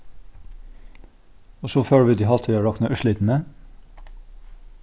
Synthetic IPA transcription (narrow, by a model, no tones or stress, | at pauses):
oːsoːføːɽəʋiːd̪iːhɑlt̪ʋiːɑːɭɑkt̪nɑːʔʉʃɭiːt̪n̩ə